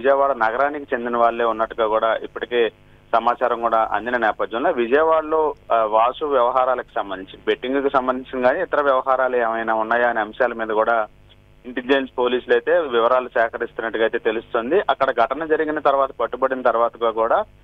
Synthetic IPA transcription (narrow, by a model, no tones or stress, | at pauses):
id͡ʒɐjɐʋaːɭɐnɐɡɐɾaːnikit͡ʃe̞nd̪inɐʋaːɭːe̞ːunːɐʈːuɡaːkuːɽaːʔipːuʈike̞ː | sɐmaːt͡ʃaːɾɐmkuːɽaːʔɐ̰nd̪inɐnɛːpɐd̪jɐmlo̞ːʋid͡ʒɐjɐʋaːɽlo̞ːʋaːsuʋjɐʋɐɦaːɾaːlɐku̥sɐmbɐnd̪iɲt͡ʃid̪ibeʈːiŋɡkusɐmbɐnd̪iɲt͡ʃinɡaːniit̪ɐɾɐʋjɐʋɐɦaːɾaːlueːmɐjnaːunːaːjaːɐniɐmɐʃjaːlɐmiːd̪ɐkuːɽaː | iɳʈeld͡ʒenspo̞ːliːsulɐjt̪e̞ːʋiʋɐɾaːlusɛːkɐɾist̪unːɐʈːuɡɐjt̪eːt̪e̞lust̪oːnd̪iʔɐkːɐɽɐɡʱɐʈɐnɐd͡ʒɐɾiɡinɐt̪ɐɾuʋaːt̪ɐ̥pɐʈːubɐɽinɐt̪ɐɾuʋaːt̪ɐɡaːkuːɽaː